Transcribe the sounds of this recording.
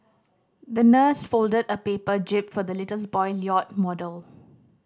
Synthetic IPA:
d̪ənəsfoldədəpepəd͡ʒɪpfɔd̪əlɪtəs̬bɔɪljɔt̚mɔdəl

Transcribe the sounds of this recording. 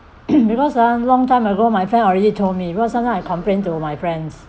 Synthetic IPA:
bikʰɔsanlɔ̃ŋtãmaɡomajfɹɛ̃nɔɹɛditʰomibikʰɔsãnaajkʰɔ̃mpɹẽntumajfɹɛ̃ns

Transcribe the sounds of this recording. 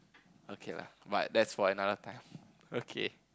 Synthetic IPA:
okʰela̰badɛtsfɔɹənaðət̪ʰãɪ̃m | okʰe

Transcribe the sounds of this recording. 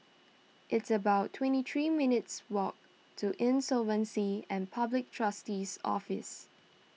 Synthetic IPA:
ʔɪtsəbaʊtʰːwɛ̃ntit̪ʰɹimɪnɪtswɔk̚ | tʰuʔɪ̃nsɔvə̃nsiɛ̃npʰablɪk̚tʰɹ̥astisɔ̰fɪ̰s

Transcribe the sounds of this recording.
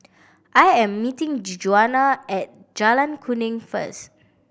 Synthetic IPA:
ʔajɛ̃mːitɪ̃ŋd͡ʒid͡ʒuanaɛt̚ | d͡ʒalãnkʰunɪ̃ŋfə̰st

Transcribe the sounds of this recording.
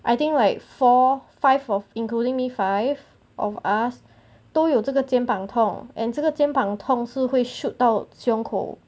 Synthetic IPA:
ʔaɪt̪ĩŋklaɪkfɔfaɪvɔvĩnkludĩŋmifaɪv | ʔɔ̰fas | t̪oʊjoʊt͡səɡət͡ɕjɛ̃npãŋt̪ʰɔ̃ŋʔɛ̰̃nt͡ʃəɡət͡ɕjɛ̃npãŋt̪ʰɔ̃ŋsɹ̩hweɪʃut̚d̪aʊsjɔ̃ŋkʰo̰ʊ

